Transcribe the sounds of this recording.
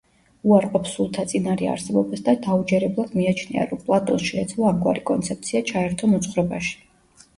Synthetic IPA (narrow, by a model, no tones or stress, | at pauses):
uaɾqʼɔpsulˠt̪ʰat̪sʼinaɾia̰ɾsɛbɔbasd̪ad̪aud͡ʒɛɾɛblˠad̪̥miat͡ʃʰnia̰ɾɔmpʼlˠat̪ʼɔnsʃɛːt̪sʰlˠɔamɡwa̰ɾikʼɔnt̪sʰɛp̚t̪sʰiat͡ʃʰaɛɾt̪ʰɔmɔt̪sʰχɾɛbaʃi̥